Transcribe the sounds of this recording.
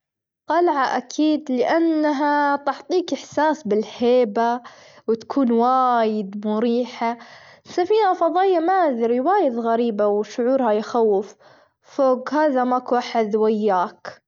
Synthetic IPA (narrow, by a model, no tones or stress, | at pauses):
t̪ˤɑlʕaʔakʰiːd̪lɪʔanːaɦat̪ɑʕt̪ˤiːkɪħsaːsbɪlheːbawɪt̪ḁkʰuːnwaːjɪd̪mʊɾiːħasafiːnafɑðˤɑːjamaːðɪɾjwaːjɪðɣaɾiːbawʃʊʕuːɾhajxawːɪfː | oːɡɦaːðamakwaːħɪd̪wajːaːk